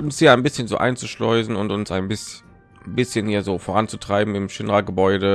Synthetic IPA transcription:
ʊnshiːɐaɪnbɪsçənzo̰ːʔa̰ɪnt͡suʃlɔʏzn̩ʊntʊnsaɪnbɪs | bɪsçənhiːɐzoːfoːʁant͡sutʁ̥aɪbm̩ɪmʃɪnʁaɡəbɔʏdə

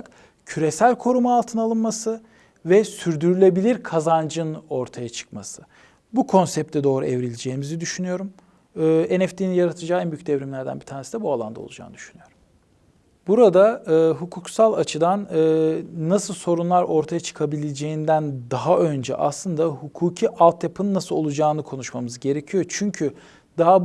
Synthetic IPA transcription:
k | cʰyɾesælʲkʰo̞ɾumaːlˠt̪ʰɯnalˠɯnmasɯ | vɛsyɾd̪yɾylʲe̞bilʲiɾkʰazand͡ʒɯno̞ɾt̪ʰajat͡ʃʰɯ̥kmasɯ | bukʰo̞nsɛp̚t̪ʰɛd̪o̞ːɾuɛvɾilʲed͡ʒeːimizid̪yʃynyjo̞ɾum | ɯːenɛft̪ʰininjaɾat̪ʰɯd͡ʒaːænbyjyc̚d̪ɛvɾimlʲæɾd̪æ̰nbit̪ʰaːɾnesid̪ɛbualˠa̰nd̪a̰o̰lˠud͡ʒa̰ːnɯd̪̥yʃynyjo̞ɾum | buɾad̪aɯɦukʰuksalˠat͡ʃʰɯd̪anɯːasɯlˠso̞ɾunlˠaɾo̞ɾt̪ʰajat͡ʃʰɯ̥kʰabilʲed͡ʒejind̪ænd̪aɦaʔø̞nd͡ʒɛ̰ʔa̰slˠɯnd̪ahukʰuːcʰiʔalˠt̪japʰɯnnːasɯlˠo̞lˠud͡ʒaːnɯkʰo̞nuʃmamɯzɯɟe̞ɾecʰijo̞t͡ʃʰyɲcʰy | d̪̥aɦa

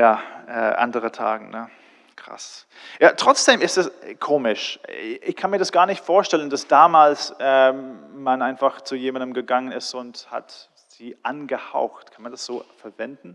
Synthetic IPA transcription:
jaːʔɛːʔa̰ndəʁətʰa̰ːɡŋ̩nə | kʁ̥a̰s | jaːtʁ̥ɔt͡sd̥eːmɪstɛskʰoːmɪʃɪçkʰanmiːɐɾasɡ̥aːɐnɪçtfoːɐʃtɛlənd̥asd̥aːmaːlsɛmanʔaɪnfaχt͡sujeːmandəmɡəɡaŋənɪstʊntha̰t | z̥iːʔanɡəha̰ʊxtkʰanmandasz̥oːfɛɐvɛndn̩

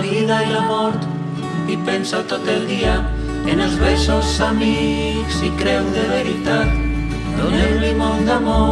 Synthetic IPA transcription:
iðailamɔɾt̪ | ipensat̪ot̪eld̪ia | enelzβɛjsosami | ksikɾɛwðeβeɾit̪at̪ | d̪onemlimold̪amo

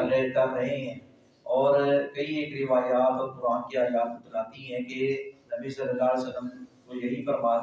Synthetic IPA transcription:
let̪abɾɐɦẽɦɛ̃ː | ɔːɾkɐieːkɾɪʋaːjaːt̪ɔːɾpʊɾaːnkiaːjaːt̪ʊt̪əlaːt̪iɦɛ̃kenɐbisɐɾəlaːlsɐləmkojɐɦifɐɾmaː

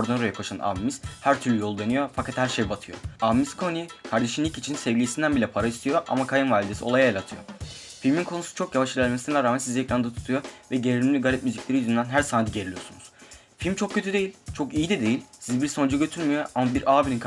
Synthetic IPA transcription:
ɾd̪anaɾojɛkpʰaʃana̰mimiz̥hæɾt̪ʰyɾlʲyjo̞lˠd̪enyjo̞fakʰat̪hæɾʃejbat̪ʰɯjo̰amimiskʰoniikʰaɾd̪e̞ʃɯnlʲːicit͡ʃʰinsɛvlʲijisind̪ænbilʲɛpʰaɾaist̪ʰijo̞ʔa̰makʰajɯnvalʲid̪esio̞lˠajajelʲˠat̪ʰɯjo̰ | filʲminkʰo̞nusu̥t͡ʃʰo̞kjavaʃɯlʲælʲmesinɛɛɾaːmænsizɛcɾand̪ɛt̪ʰu̥t̪ʰujovɛɟeɾilʲimlʲiɡaɾʲɛt̪myziclʲe̞ɾijyzynd̪ænɦæɾsand̪iɟe̞ɾilʲijo̞sunuz̥ | filʲmt͡ʃʰo̞k̚cʰːø̞t̪ʰyd̪e̞jilʲt͡ʃʰokijid̪ɛd̪e̞jilʲsizbiɾso̞nd͡ʒaɟø̞t̪ʰyɾmijoʔamabiɾaːbilʲink

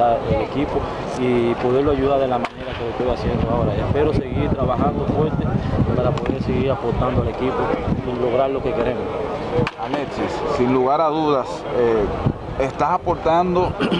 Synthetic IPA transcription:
aele̞kipo̞ | ipo̞ðe̞ɾloaʝuðaɾðelamane̞ɾakelo̞ht̪ojasje̞nd̪oao̞ɾaepe̞ɾo̞se̞ɣiɾt̪ɾaβaxand̪o̞fweɾt̪espaɾapo̞ðeɾseɣiɾapo̞ɾt̪and̪oale̞kipo̞ilo̞ɣɾaɾlo̞ke̞ke̞ɾe̞mosalesisːinluɣaɾaðuðas | e | est̪asapo̞ɾt̪and̪o̞

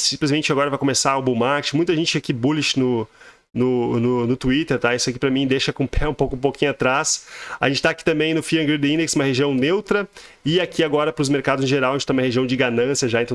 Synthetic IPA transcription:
sĩplɪzmẽnt͡ʃɪaɡɔɾɐvajkomesaʊbũmaɾt͡ʃɪmũj̃t̪ɐʒẽnt͡ʃɪakibulɪt͡ʃɪnʊ | nʊnʊnʊt̪uit̪eɾt̪aisʊakipɾɐmĩd̪eʃɐkõpʰɛũpowkʊũpokʰĩɲʊat̪ɾasaʒẽt͡ʃɪt̪aki̥t̪ɐ̃mbẽj̃nʊfiɐ̃ɡɾid̪ĩnd̪eksũmɐheʒiɐ̃w̃newt̪ɾɐ | ɪakiaɡɔɾɐpɾʊzmeɾkad̪ʊzɪ̃ʒeɾawaɐʒẽt͡ʃt̪ãmɐheʒiɐ̃w̃d͡ʒɪɡanɐ̃siɐʒaɐ̃ẽt̪ɐ̃

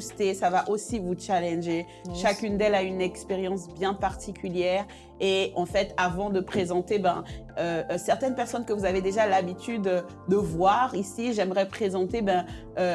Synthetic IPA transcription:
st̪esavaʔosivut͡ʃalɛ̃nʒe | ʃakʲynd̪ɛlaynɛkspeʁjɑ̃sbjɛ̃paʁt̪ʰikʲyljɛʁ | eɑ̃fɛt̪avɑ̃d̪əpχezɑ̃t̪ebɛ̃øsɛʁt̪ɛnpɛʁsɔnkəvuzaved̪eʒalabit̪ʰyd̪ø | d̪əvwaʁisiʒɛmʁɛpχezɑ̃t̪ebɛ̃ | ø

